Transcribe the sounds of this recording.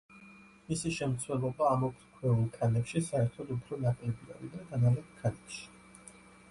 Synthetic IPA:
misiʃɛmt̪sʰwɛlˠɔbaːmɔkʰɾkʰwɛulˠkʰanɛpʃisaɛɾt̪ʰɔd̪upʰɾɔnakʼlɛbia̰ɾid̪aɡ̪analɛt̪kʰanɛpʃi̥

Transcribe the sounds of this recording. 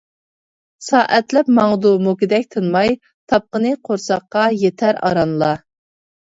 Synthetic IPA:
sɑːʔɛt̪lɛpmɑŋd̪umukʲid̪ɛkʲt̪ʰɨnmɑj | t̪ʰɑp̚qənɨqʰoɾsɑqːɑjet̪ʰæɾɑ̰ɾɑnlˠɑ

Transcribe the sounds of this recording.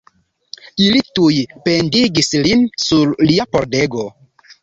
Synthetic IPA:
ilitujpe̞ndiɡislinsuɾliapo̞ɾdeɡo̞

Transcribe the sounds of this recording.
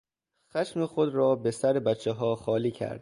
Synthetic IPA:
xæʃmexod̪ɾɒːbesæɾebæt̪t͡ʃʰːeɦɒːxɒːliːcʰæ̰ɾd̪̥̚

